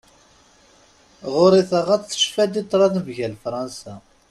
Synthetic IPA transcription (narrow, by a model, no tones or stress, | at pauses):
ʁʊɾˤiθəʁæt͡sθə̥ʃfæd̪it̪ˤːɾˤɑðvʝælfɾˤɑnsæ